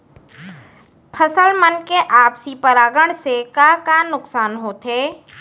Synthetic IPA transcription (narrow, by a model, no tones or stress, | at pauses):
pʰəsəlmənkeʔaːpsipəɾaːɡəɽ̃sekaːkaːnʊksaːnɦoːt̪ɦeː